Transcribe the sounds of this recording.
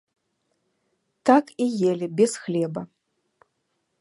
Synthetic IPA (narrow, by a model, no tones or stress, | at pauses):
t̪akijelʲibʲɛsxlʲɛbɐ